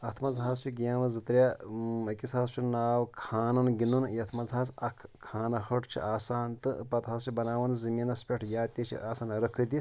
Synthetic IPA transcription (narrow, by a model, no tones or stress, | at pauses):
ɐt̪ʰmɐzɦaːst͡ʃʰiɡijaːmɐzɨt̪ɾʲjaɐkisaːst͡ʃʰinaːwkʰaːnɐnɡinunjɐt̪ʰmɐzɦaːsɐkʰkʰːaːnɐɦɐʈʰt͡ʃʰḭʔaːsaːnt̪ɨpɐt̪ɦaːst͡ʃʰibɐnaːʋɐnzɐmiːnɐspʲeʈʰjaːt̪ʲit͡ʃʰḭʔaːsaːnɾɐkʰɨd̪is